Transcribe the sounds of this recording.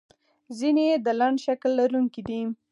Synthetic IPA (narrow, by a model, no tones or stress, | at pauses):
zined̪əlaɳɖʃaklːaɾuŋkid̪i